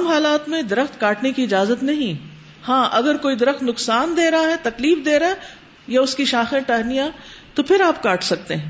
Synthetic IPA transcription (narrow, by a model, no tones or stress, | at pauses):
mɦaːlaːt̪mẽd̪ɐɾəxt̪kaːʈnekiɪd͡ʒaːzət̪nɐɦĩ | hãːʔɐɡəɾkoːid̪ɐɾəxt̪nʊksaːnd̪eːɾɐɦaɦɛt̪ɐkliːfd̪eːɾɐaɛ | jaʊskiʃaːxẽʈɛɦnijãt̪opʰɪɾaːpkaːʈʰsɐk̚t̪eɦɛ̃ː